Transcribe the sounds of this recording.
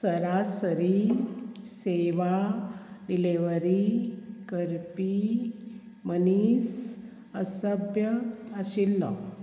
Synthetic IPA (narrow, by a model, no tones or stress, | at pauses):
səɾasəɾi | seʋa | ɖileʋəɾikəɾpi | mənis | əsəbjəəɕilːɔ̰